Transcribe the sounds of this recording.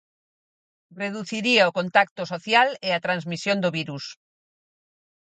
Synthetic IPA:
reðuθiɾiaokont̪ak̚t̪osoθjaleat̪ɾãnzmisjõnd̪oβiɾus

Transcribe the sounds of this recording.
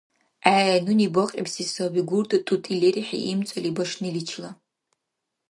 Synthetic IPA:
ajanuniboqʲʼḭpsisobiɡʷurtʼatʼutʼileɾiħa̰ʔimt͡sʷʼalibaʂnɨlit͡ʃʰla

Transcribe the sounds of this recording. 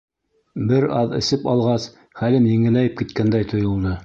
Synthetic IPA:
bɘɾɑðɘ̆sɘpɑlˠʁɑs | χælɘmjɘ̆ŋɘ̆læjɘp̚kit̪̚kænd̪æjt̪ʰŏjŏlˠnɤ

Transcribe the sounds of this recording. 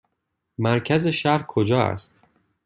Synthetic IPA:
mæɾcʰæze̞ʃæɾhkʰod͡ʒɒːæ̰st̪

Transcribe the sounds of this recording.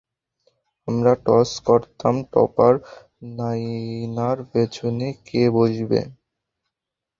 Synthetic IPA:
amɾaʈɔskoɾt̪amʈɔ̰paɾ | najnaɾbet͡ɕʰonekebod͡ʑʱbḛ

